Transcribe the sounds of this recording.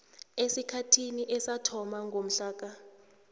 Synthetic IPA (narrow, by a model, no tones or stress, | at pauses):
esikʰatʰiniʔɛsatʰɔmaŋɡʱom̩ɬaːk̬a